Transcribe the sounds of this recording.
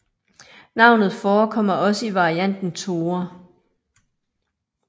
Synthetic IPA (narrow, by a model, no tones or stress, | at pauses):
nɑ̈ʊ̰nð̞̩ˠfɒːkʰɒ̽m̰ɐɒ̽səiʋɑ̈iæn̰d̥n̩t͡sʰo̝ːɐ